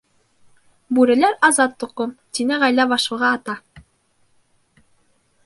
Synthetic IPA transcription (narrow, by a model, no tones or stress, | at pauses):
bʉɾɘ̆læɾɑzɑt̪̚ːŭqomt̪inɘʁæjlæβɑʃɤ̆lˠʁɑːt̪ɑ